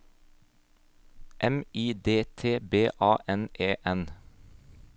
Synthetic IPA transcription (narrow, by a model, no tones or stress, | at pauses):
ʔɛmiːd̪eːt̪ʰeːbeːʔɑːʔɛnʔeːʔɛn